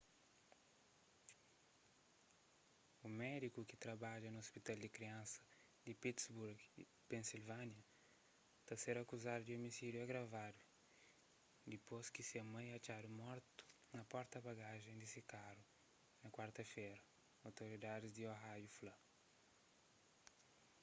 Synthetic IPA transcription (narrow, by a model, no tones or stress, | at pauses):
umɛd̪ikukɪt̪ɾɐbaʎɐnʊospit̪ald̪ɪkɾiɐ̃nsɐ̥ | d̪ɪpit̪sbuɾɡi | pẽnsilvanɐ | t̪aseɾɐkuzad̪ud̪iomisiɾjuaɡɾavad̪u | d̪iposkisiɐmɐ̃j̃ɐt͡ʃad̪umɔɾt̪u̥ | nɐpɔɾt̪ɐbaɡaʒẽj̃d̪ɪsikaɾu | nɐkwaɾt̪ɐfejɾɐ | awt̪oɾid̪ad̪ɪzd̪ioɦajuflɐ